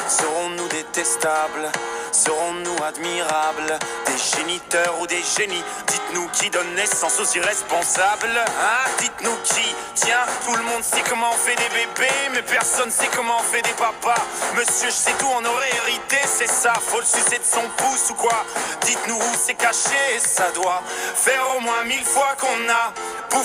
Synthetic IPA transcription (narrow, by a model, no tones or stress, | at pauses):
səʁɔ̃nud̪et̪ɛst̪ablsəʁɔ̃nuad̪miʁabld̪eʒenit̪œʁud̪eʒenid̪it̪nukʲid̪ɔnːɛsɑ̃soziʁɛspɔ̃sablɛ̃d̪it̪nukʲʰi | t̪jɛ̃t̪uləmɔ̃d̪sɛkɔmɑ̃ɔ̃fɛd̪evebemɛpɛʁsɔnsɛkɔmɑ̃ɔ̃fɛd̪epapaməsjøʒəsɛt̪uɔ̃nɔʁɛeʁit̪esɛsafolsisɛd̪əsɔ̃pusukwad̪it̪nuːsɛkaʃesad̪wafɛʁomwɛ̃milfwakɔ̃na | pu